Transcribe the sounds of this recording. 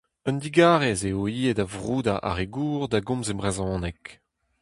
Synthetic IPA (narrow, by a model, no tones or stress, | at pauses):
œnd̪iɡaːʁezeoiːedavʁuːd̪aʔa̰ʁeɡuːʁd̪aɡɔ̃mzebʁezɔ̃ːnɛk